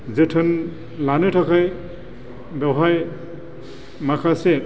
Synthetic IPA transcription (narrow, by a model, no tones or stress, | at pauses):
zɯtʰɯn | lanɯtʰakʰaj | bɔɦaj | makʰase